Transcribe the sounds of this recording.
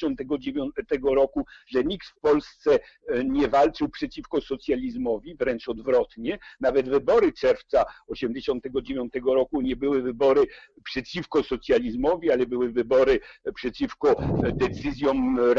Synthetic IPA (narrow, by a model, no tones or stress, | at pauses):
ɔ̃nt̪ɛɡɔd͡ʑevʲjɔnt̪ɛɡɔɾɔkuʐɛɲikt̪fpɔlst̪sɛ | ɲɛvalt͡ʂɘwpʂɛt͡ɕifkɔsɔt̪sʲjalʲizmɔvʲivɾɛnt͡ʂɔd̪vɾɔt̪ɲɛnavɛd̪vɘbɔɾɘt͡ʂɛɾft̪saɔɕɛmd͡ʑeɕɔnt̪ɛɡɔd͡ʑevʲjɔnt̪ɛɡɔɾɔkuɲɛbɘwɘvɘbɔɾɘ | pʂɛt͡ɕifkɔsɔt̪sʲjalʲizmɔvʲialɛbɘwɘvɘbɔɾɘpʂɛt͡ɕifkɔd̪ɛt̪sɘzʲjɔmɾ